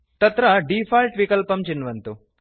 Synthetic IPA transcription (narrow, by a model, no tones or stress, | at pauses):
t̪ɐt̪ɾɐɖifalʈʋikɐlpɐmt͡ɕinːʋɐnt̪u